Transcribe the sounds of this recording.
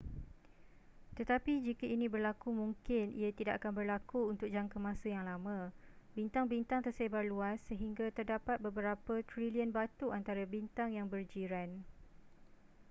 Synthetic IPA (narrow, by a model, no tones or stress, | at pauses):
t̪ət̪apid͡ʒikəinĩbərlakumuŋkɪnḭat̪idaʔakanbərlakuunt̪ʊk̚d͡ʒaŋkəmãsəjaŋlamãbint̪aŋbint̪aŋt̪ərsebarluasːəɦiŋɡat̪ərdapat̪̚bəbəɾapət̪ɾiliənbat̪uʔant̪aɾabint̪aŋjaŋbərd͡ʒiɾan